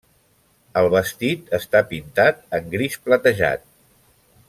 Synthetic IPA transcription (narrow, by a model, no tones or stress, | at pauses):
əlˠβəst̪it̪əst̪apint̪at̪əŋɡɾisplət̪əʒa̰t̪̚